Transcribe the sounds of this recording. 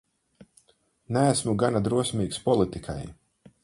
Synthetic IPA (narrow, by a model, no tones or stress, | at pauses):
næːsmuɡanad̪ɾuɔsmʲiːkspɔlˠit̪ikʰa̰j